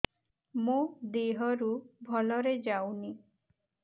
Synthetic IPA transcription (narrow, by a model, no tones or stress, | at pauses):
mõd̪eɦɔɾubʱɔlɔɾed͡ʒawni